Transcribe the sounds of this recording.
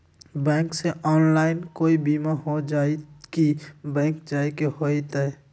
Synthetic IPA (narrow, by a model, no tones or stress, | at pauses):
bɛ̃ːkseʔɔːnlaɪnkoibimaɦod͡ʒait̪kibɛ̃ŋk̚d͡ʒajkeɦojt̪aɛ